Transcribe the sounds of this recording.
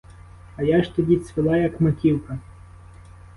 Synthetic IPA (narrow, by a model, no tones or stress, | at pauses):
ɐjɑʃt̪ɔdʲisʲʋɪlˠɑjɐkmɐkʲiwkɐ